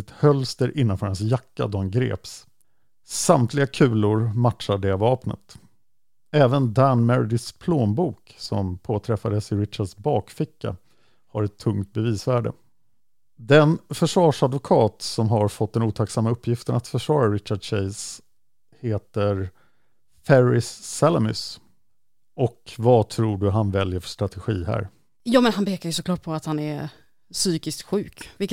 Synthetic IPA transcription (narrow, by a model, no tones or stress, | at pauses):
ɪt̪hœlst̪əɾʔɪnːanfœːɾhans̬jakːa̰d̪ɔhanɡɾḛːps | samt̪ʰlɪɡakʰʉ̟ːlʊɾmatʂaɖɛavɑːpnə̰t̪ | ɛːvənd̪ænmɛɾd̪ɪspʰloːmbuːksɔ̰mpʰoːt̪ʰɾɛfad̪əsɪɾɪt̪ɕaɖsbɑːkfɪkːa̰ | haɾɛt̪ʰːɵŋt̪̚bɛviːsvæːɖə̰ | d̪ɛnfœʂvɑːʂad̪vʊkʰɑːt̪sɔmɦaɾfɔt̪̚ːd̪ɛnuːt̪ʰaksamːaɵpʰːjɪft̪ənat̪fœʂvɑːɾaɾɪt̪ɕaɖɕɛɪs | heːt̪əɾ | fɛɾɪsːɛlɛmʏ̰s | ɔkvat̪ʰɾuːɖɵɦanvɛljəɾfœ̥ʂt̪ɾat̪ʰɛɧḭːɦæ̰ːɾ | jɑːmɛnhanpeːkaɾjɵsɔkʰlɑːʈ̚pʰɔat̪hanɛɾ | syːkɪst̪ɧʉ̟ːkvɪk